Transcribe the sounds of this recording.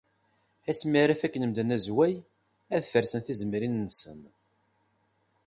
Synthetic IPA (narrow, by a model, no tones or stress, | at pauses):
æsmiɾæfækːənəmd̪ənæzwæj | æðθəɾsənθizəmɾinnːəsə̰n